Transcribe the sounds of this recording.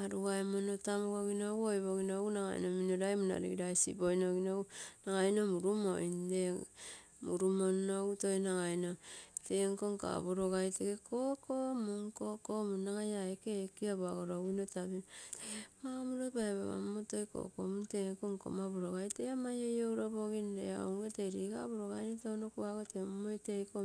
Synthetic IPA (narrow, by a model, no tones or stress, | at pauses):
aɾuaemonotamokoɡinowojβoɡinoɡunaɡa̰j̰nominoɾajmuna̰ɾḭɡɾajsḭbojnoɡinounaɡajnomuɾumo̰inde | muɾumonouto̞jnaŋajnoteŋko̞ŋka̰boɾoɡajteɡekʰokomuŋkokomunːaŋajaekekiaβaɡoɾoɡinotabin | mabuɾopaeβa̰βa̰mmotojko̰komunteŋkoŋko̰maboɾoɡajteamajojowɾoboɡindḛao̰ŋɡetejɾiɡa̰boɾoɡajnotonokuaɡotemomojtejko